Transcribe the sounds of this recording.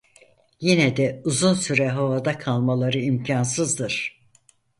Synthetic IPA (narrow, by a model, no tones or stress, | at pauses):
jinɛd̪ɛuzunsyɾɛɦavad̪akʰalˠmalˠaɾɯimcʰansɯzd̪ɯɾ̥